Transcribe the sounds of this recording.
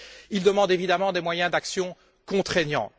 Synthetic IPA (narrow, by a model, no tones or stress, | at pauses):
ild̪əmɑ̃d̪evid̪amɑ̃d̪emwajɛ̃d̪aksjɔ̃ | kɔ̃t̪χeɲɑ̰̃